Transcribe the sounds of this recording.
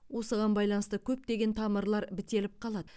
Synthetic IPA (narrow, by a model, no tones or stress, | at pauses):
wo̞səʁɑnbɑjlˠɑnəst̪əkʲʰɵp̚d̪e̞ɡʲe̞nt̪ʰɑməɾlˠɑɾbɪt̪e̞lɪp̚qʰɑlˠɑd̪ə